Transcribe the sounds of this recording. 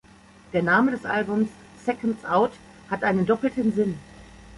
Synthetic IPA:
d̥eːɐnaːmədɛsʔa̰lbʊmsː | ɛkəntsʔaʊt | hatʔaɪnəndɔpl̩tənzɪn

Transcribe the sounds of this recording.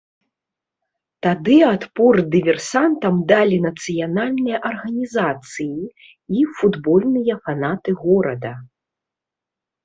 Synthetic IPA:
t̪ad̪ɨat̪pɔrd̪ɨvʲɛrsant̪ɐmd̪alʲinɐt̪sɨjanalʲnɨjɐʔɐrɣɐnʲizat̪sɨji | ifud̪bɔlʲnɨjɐfanat̪ɨɣɔɾɐd̪ɐ

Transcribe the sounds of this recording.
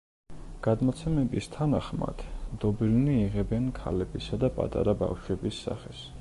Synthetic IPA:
ɡ̥ad̪mɔt̪sʰɛmɛbist̪ʰanaχma̰d̪̥d̪ɔbilniːʁɛbɛnkʰa̰lɛbisad̪apʼa̰t̪ʼa̰ɾaba̰fʃwɛbisːa̰χɛs

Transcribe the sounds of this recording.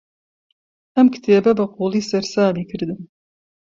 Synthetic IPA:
ɐmkʰɨ̥t̪ʰeːbɐbɐqʰuːlˠiːsɐɾsaːbiːkʰɨɾd̪ɨm

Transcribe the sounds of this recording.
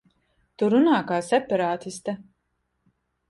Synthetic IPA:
t̪uɾunaːkaːsɛpɛɾaːt̪ist̪a

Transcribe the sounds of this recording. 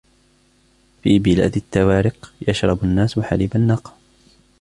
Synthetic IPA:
fiːbɪla̰ːd̪at̪ːawaːɾɪqjaʃɾˤɑbanːaːswaħa̰liːbanːɑq

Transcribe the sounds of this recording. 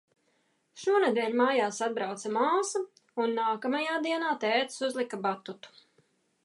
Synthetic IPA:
ʃuɔned̪ɛːlʲmaːjaːsad̪̚bɾawt̪samaːsɐ | unːaːkɐmajaːd̪iɛnaːt̪ɛːt̪suzlˠikabat̪ut̪u̥

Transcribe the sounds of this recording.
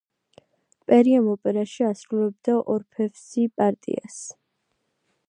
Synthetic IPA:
pʼɛɾiamɔpʼɛɾaʃiasɾulɛb̚d̪̥aʔɔɾpʰɛvsipʼaɾt̪ʼḭa̰s

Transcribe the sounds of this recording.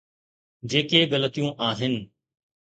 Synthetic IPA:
d͡ʑeːkeːɠələt̪ijũːʔaːɦɪn

